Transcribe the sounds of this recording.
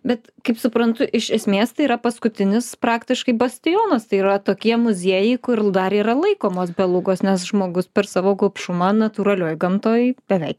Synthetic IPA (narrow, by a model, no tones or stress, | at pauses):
bʲɛt̪ | kɐɪpsʊpɾɐnt̪ʊʔɪʃɛsʲmʲeːst̪ɐɪiːɾɐpɐskʊt̪ʲɪnʲɪspɾɑːkt̪ʲɪʃkɐɪbɐsʲt̪ʲɪjoːnɐst̪ɐɪirɐt̪oːkʲiɛmʊzʲiɛjɛɪkʊrd̪ɐɾiːɾɐlˠɐɪkoːmoːsbʲɛlˠʊɡoːsnʲɛsʒmoːɡʊspʲɛɾsɑːʋoːɡoːpʃʊmɐnɐt̪uːɾɐlʲoːjɡɐmt̪oːjbʲɛʋʲɛɪk̚